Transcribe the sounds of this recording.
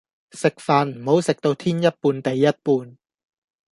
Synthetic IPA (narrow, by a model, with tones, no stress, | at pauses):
sɪ˨˩k̚faː˨nm̩˨˩ho˨˥wsɪ˨˩k̚t̪o˧wt̪ʰiː˥njɐ˥t̚puː˧nt̪ɐ˨˩jːɐ˥t̚puː˧n